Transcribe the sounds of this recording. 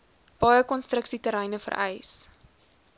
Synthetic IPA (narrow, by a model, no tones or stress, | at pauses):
b̥ɑjəkɔnstrəksitəɾɛjnəfə̰rɛ̰js